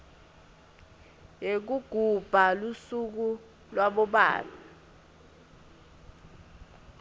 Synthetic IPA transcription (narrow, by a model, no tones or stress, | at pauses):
jek̬uɡ̥ʱub̥ʱalusuk̬u | lwaɓɔɓa̰ːla